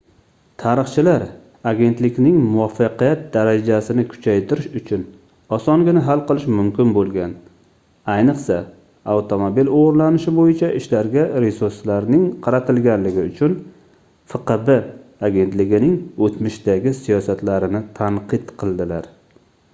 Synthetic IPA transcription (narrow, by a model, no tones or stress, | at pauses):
t̪ʰaɾɨχt͡ʃʰɪlaɾ | aɡʲe̞nt̪lɪkʲnɪŋmʊwɒfːɑqijat̪̚d̪aɾad͡ʒasɪnɪkʰʊ̥t͡ʃʰajt̪ʰɪɾɪʃʊt͡ʃʰʊn | ɒsɒŋɡʲɪnɪɦalˠqɨlˠɪʃmʊmkʲɪnbolˠɡʲan | ajnɨqsa | awt̪ʰo̞mobiloʁʊɾlanɪʃɪbojɪt͡ʃʰaʔɪʃlaɾɡʲaɾesuɾslaɾnɪŋqʰɑɾat̪ʰɪlɡʲanlɪɡʲɪʊt͡ʃʰʊn | fɨqɨbɪaɡʲe̞nt̪lɪɡʲɪnɪŋot̪mɪʃd̪aɡʲɪsijɒsat̪laɾɪnɪt̪ʰaɴqʰɨt̪qʰɨlˠd̪ɪlaɾ